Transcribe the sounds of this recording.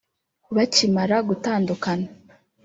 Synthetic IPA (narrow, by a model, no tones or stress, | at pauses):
βacimaɾaɡutaːndukana